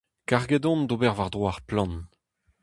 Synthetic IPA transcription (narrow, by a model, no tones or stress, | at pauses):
kaʁɡed̪ɔ̃nd̪obɛʁvaʁd̪ʁwaːʁplɑ̃n